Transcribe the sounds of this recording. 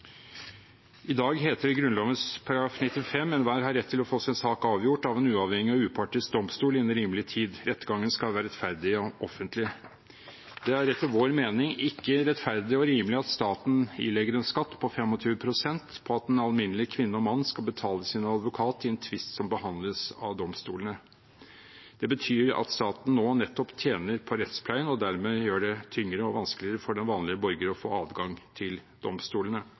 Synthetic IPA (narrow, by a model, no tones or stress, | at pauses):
ɪd̪ɑːɡɦeːt̪əɾʋɪɡɾʉnlɑːʋənspʰɑɾɑɾɡɾɑːfnɪt̪ːɪfɛmːɛnʋæːɾɦɑɾːɛt̪ʰːɪlɔfoːsɛnsɑːkɑːʋjʊʈɑʋɛːnʉːɑʋhɛŋːɪɔʉːpʰɑʈɪsd̪ɔmst̪uːlɪnːəɾiːmlɪt̪ʰiːd̪ɾɛt̪ːɡɑŋːənskɑlʋæːɾɛt̪fæɾd̪ɪɔʔɔfːənt̪lɪ | d̪̥ɛæɾɾɛt̪ːɪʋoːɾmeːnɪŋɪkːəɾɛt̪fæɾd̪ɪɔɾiːməlɪɑt̪st̪ɑːt̪n̩ɪ̰lɛɡəɾɛnskɑt̪ːpʰɔfɛmːɔt̪ʰyːəpʰɾʊsɛnt̪pʰɔɑt̪ɛnɑlmɪnəlɪkʰʋɪnːəɔmɑnːskɑlbət̪ʰɑːləsɪnɑd̪ʋʊkʰɑːt̪ʰɪɛnt̪ʰʋɪst̪sɔmbəhɑnd̪ləsɑ̰ʋd̪ɔmst̪uːlnə | d̪̥ɛbət̪ʰyːɾɑ̰t̪st̪ɑːt̪n̩noːnɛt̪ːɔpt̪ʰjeːnəɾpʰɔɾɛt̪spʰlæɪənɔd̪æɾmeːjøːɖɛt̪ʰʏŋːɾəɔʋɑnsklɪəɾəfɔɖɛnʋɑːnlɪəbɔɾɡəɾɔfo̰ːɑːʋɡɑŋt̪ʰɪld̪̥ɔ̰mst̪uːlənə